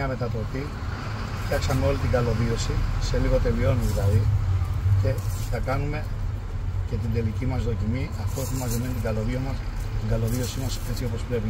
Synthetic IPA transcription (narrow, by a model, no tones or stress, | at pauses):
ɐme̞t̪ɐt̪o̞pi | fçɐksɐmeo̞lit̪iɡɐlo̞ðio̞sise̞liɣo̞t̪e̞lio̞nðilɐði | ce̞θɐkɐnume̞ | ce̞t̪̬ind̪e̞licimɐzðo̞cimiɐft̪oθimɐzimenit̪iɡɐlo̞ðiomɐs | t̪iŋɡɐlo̞ðio̞simɐse̞t͡sio̞po̞spɾe̞pi